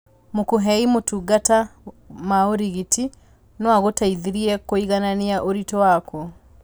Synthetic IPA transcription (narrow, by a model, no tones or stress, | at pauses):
mokuɦɛimotuɡata | maoɾiɣiti | nwaɣotaiðiɾiɛkoiɣananiaʔoɾitɔwakɔ